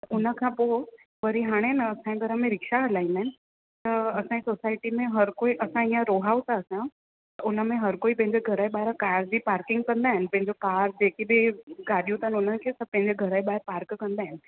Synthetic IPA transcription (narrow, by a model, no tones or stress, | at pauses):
ʊnə̆kʰãːpo | ʋɐɾiɦaːɽ̃enɐɐsãẽɡʱɐɾəmẽɾɪkʃaɽəlaːĩnd̪aɦɪnɪ | t̪ɐɐsãesoːsaːɪʈimẽɦɐɾkoːiʔɐsãiãɾoːɦaːut̪aəsajã | t̪ɐʔʊnə̆mẽɦɐɾkoːipɐ̃ɦɪ̃ɲd͡ʑeɡʱɐɾaeɓaːɦɪɾkaːɾd͡ʑiːpaːɾkɪ̃ŋɡkɐ̃nd̪aːɦɪnɪ̆pɐ̃ɦɪ̃ɲd͡ʑokaːɾd͡ʑeːkibiɡaːɗijũt̪aɦɪnʊnənɪ̆kʰeːsɐpɐ̃ɦɪ̃ɲd͡ʑeɡʱɐɾaːiɓaːɦɪɾpaːɾkkɐ̃nd̪aːɦɪnɪ̆